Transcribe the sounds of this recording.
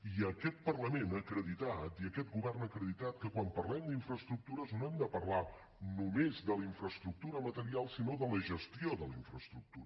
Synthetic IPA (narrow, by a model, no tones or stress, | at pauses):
iəkɛt̪̚pərləmenəːkɾəðit̪at̪iəkɛt̪̚ɡuβɛrnəkɾəðit̪at̪̚kəkwampərlɛmd̪iɱfɾəst̪ɾuk̚t̪uɾəznoɛmd̪əpərla | numezðəliɱfɾəst̪ɾuk̚t̪uɾəmət̪əɾialˠsinoðələʒəst̪ioðəliɱfɾəst̪ɾuk̚t̪uɾə